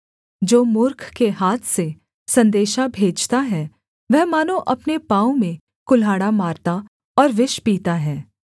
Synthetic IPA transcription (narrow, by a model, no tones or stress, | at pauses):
d͡ʒoːmʊɾkʰkeɦaːt̪ʰse | sɐ̃nd̪eːʃabʱeːd͡ʒt̪aɦɛ | ʋɛɦmaːnõʔɐpnepãːõmẽ | kʊlaːɽamaːɾt̪a | ɔːɾʋɪʃpiːt̪aɦɛː